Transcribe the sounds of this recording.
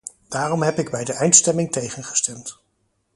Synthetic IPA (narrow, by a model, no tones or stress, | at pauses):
d̥aːrɔmɦɛpɪɡbɛjdəʔɛjntstɛmɪŋtejχənχə̥stɛmt